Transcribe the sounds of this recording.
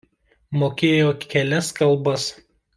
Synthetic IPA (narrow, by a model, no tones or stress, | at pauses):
moːkʲeːjoːkʲɛlʲɛskɐlˠˑbɐs